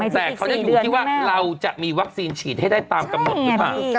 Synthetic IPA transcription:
t̪ɛː˩˨kʰwt͡ɕa˨˩juː˨˧˦wa˥˩ɾa˧wt͡ɕa˨˩ʔmiː˧wa˦˥k̚siː˧nt͡ɕʰiː˨˩t̪̚ha˥˩jdaː˥˩jt̪aː˧mka˧mno˨˩i˦˧˩a̰ː˨˩

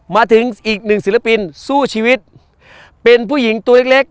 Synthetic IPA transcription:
maː˧t̪ʰɯ˩˦ŋʔiː˨˩k̚nɯ˨˩ŋsi˨˩˦la˧pi˧nsuː˥˩t͡ɕʰiː˧wi˦˥t̪̚ | pe˧npʰuː˥˩ji˩˦ŋt̪u˧le˦˥k̚le˦˥k̚

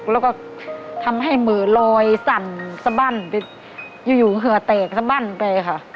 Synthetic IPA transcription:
klɛː˧˩wkɔː˧˩t̪ʰa˧mɦa˧˥˩jmɤː˨˦lɔː˧jsa˨˧˩nsa˧baː˧˥˨npa˧ | juː˧˩juː˨˩ɦɯ˧˦ɐt̪ɛː˨˩k̚sa˧baː˧˥˨npa˧jkʰa˧˩

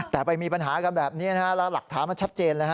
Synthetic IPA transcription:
t̪ɛː˨˩pa˧jmiː˧pa˧nɦaː˩˦ka˧nbɛː˨˩p̚niː˦˥na˦˥kʰa˦˥la˧˩la˨˩k̚t̪ʰaː˩˦nma˧nt͡ɕʰa˦˥t̪̚t͡ɕeː˧nlaː˦ka˦˥

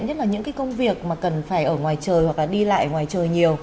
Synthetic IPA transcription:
nɲə˦˥t̚laː˨˩ɲɨ̰˧˥ŋkaː˨˦jkə˧wŋ͡mvi˨˩ək̚maː˨˩kə˨˩nfaː˧˩jʔəː˧˩ŋwaː˨˩jt͡ɕəː˨˩jwa˨˩k̚laː˨˩ɗi˧la̰ː˧˨jŋwaː˨˩jt͡ɕəː˨˩jɲi˨˩əw

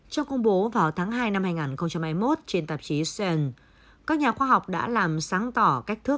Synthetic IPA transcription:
t͡ɕɔ˧wŋ͡mkə˧wŋ͡mɓo˨˦vaː˨˩wt̪ʰaː˨˦ŋɦaː˧jna˧mhaː˧jŋaː˨˩nxə˧wŋ͡mt͡ɕa˧mha˧jmo˦˥t̚t͡ɕe˧nt̪ə˨˩p̚t͡ɕi˨˦sɛ˧n | kaː˦˥k̚ɲaː˨˩xwaː˧ɦa˨˩wk͡p̚ɗa̰ː˧˥laː˨˩msaː˨˦ŋt̪ɔ˧˩ka˦˥k̚t̪ʰɨ˦˥ə

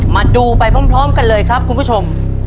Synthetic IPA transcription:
maː˧duː˧pa˧jpʰɾɔː˦˥˩mpʰɾɔː˦˥mka˧nlɤː˧jkʰɾa˦˥p̚kʰu˧nbʰu˥˩t͡ɕʰo˧m

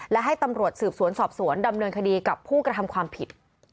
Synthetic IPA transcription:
lɛ˦˥ɦa˥˩jt̪a˧mɾu˨˩ət̪̚sɯː˨˩p̚su˩˦ənsɔː˨˩p̚su˩˦ənda˧mnɤː˧nkʰa˧diː˧ka˨˩pʰːuː˥˩kɾa˧t̪ʰa˧mkʰwaː˧mpʰi˨˩t̪̚

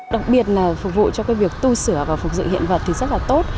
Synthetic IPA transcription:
ɗa˨˩k̚ɓi˨˩ət̚laː˨˩fʊ˨˩k͡p̚vṵ˧˨t͡ɕɔ˧kaː˨˦jvi˨˩ək̚t̪u˧sɨ˧˩əvaː˨˩fʊ˨˩k͡p̚zɨ̰˧˨hḭ˧˨ənvə˨˩t̚t̪ʰi˨˩zə˦˥t̚laː˨˩t̪o˦˥t̚

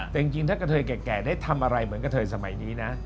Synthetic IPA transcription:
t̪i˨˩əŋt͡ɕi˧ŋt̪ʰɨ˦˥kːa˧˩t̪ʰːjkɛː˨˩kɛː˨˩ɗe˨˦t̪ʰa˧mʔaː˧ɾa˧jməː˨˦nkaː˧˦t̪ʰəː˧˩jsaː˧˩ma̰˨˩˦jɲi˨˦na˨˦

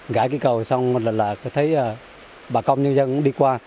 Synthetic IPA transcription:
ɣaː˧˦jki˧˩kə˨˩wswŋ͡mmo˨˩t̚lə˨˩laː˨˩kə˨˦t̪ʰə˨˦jaː˧˩ | ɓaː˨˩kə˧wŋ͡mɲɨ˧ŋzə˧nɗi˧kwaː˧

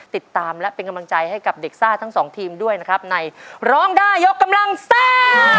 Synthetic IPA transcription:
t̪i˨˩t̪ːaː˧mlɛ˦˥pe˧nka˧mla˧ŋt͡ɕa˧jha˥˩jka˨˩p̚de˨˩k̚saː˥˩t̪ʰːa˦˥ŋsɔː˩˦ŋt̪ʰiː˧mdu˥˩əjna˦˥kʰa˦˥p̚na˧jɾɔː˦˥ŋdaː˥˩jːo˦˥kːa˧mla˧ŋseː˥˩

